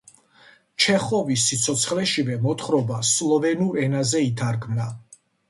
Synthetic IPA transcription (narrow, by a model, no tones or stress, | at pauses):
t͡ʃʰɛχɔvisːit̪sʰɔt̪sʰχlɛʃivɛmɔt̪ʰχɾɔbaslˠɔvɛnuɾɛnazɛit̪ʰaɾɡʰmna